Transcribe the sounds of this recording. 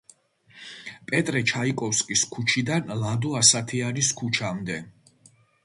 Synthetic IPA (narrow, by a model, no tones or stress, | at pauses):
pʼɛt̪ʼɾɛt͡ʃʰaikʼɔfskʼiskʰut͡ʃʰid̪anlad̪uasat̪ʰianiskʰut͡ʃʰamd̪ɛ